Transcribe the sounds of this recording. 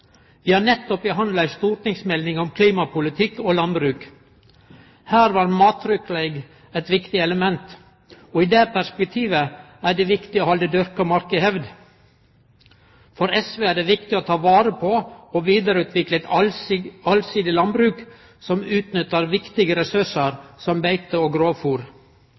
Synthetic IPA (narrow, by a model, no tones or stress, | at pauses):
ʋɪːhɑːnɛt̪ːɔpɪɦɑnlæɪst̪uːɾʈɪŋsmɛlnɪŋɔmkʰliːmɑpʰʊlɪt̪ʰɪkːoːlɑnbɾʉːk | hæːɾʋɑːɾmɑːt̪ʰːɾʏkleɪɡ | ɛt̪ʋɪkt̪ɪɛləmɛnt̪ | ɔiːd̪ɛpʰæʂpɛk̚t̪ʰiːʋə | æɖɛʋɪkt̪ɪoːhɑld̪əd̪ʉɾkɑmɑɾkəhɛʋd̪ | fɔɾɛsʋeːæɖɛʋɪkt̪ɪoːt̪ʰɑːʋɑːɾəpʰɔɔʋiːd̪əɾʉːt̪ʰʋɪklɛt̪ | ɑlsiːd̪ɪlɑnbɾʉːk | sɔmʉːt̪nʏt̪ːəɾʋɪkt̪ɪɡəɾɛsʉʂəɾsɔmbæɪt̪əoːɡɾoːfuːɾ